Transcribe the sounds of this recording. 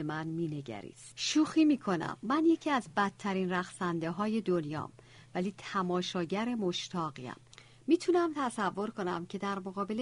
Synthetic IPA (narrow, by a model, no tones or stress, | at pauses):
emænmiːne̞ɟæ̰ɾḭːsʃuːxiːmiːkʰo̞næ̰mːænje̞cʰiːæzbæt̪ʰːæɾiːnræɣsænd̪e̞ɦɒːje̞d̪o̞njɒ̰ːm | væliːt̪ʰæmɒːʃɒːɟæɾe̞mo̞ʃt̪ʰɒːɣiæ̰mː | iːt̪ʰunæmt̪ʰæsævːo̞ɾko̞næ̰mcʰe̞d̪æɾmo̞ɣɒːbe̞l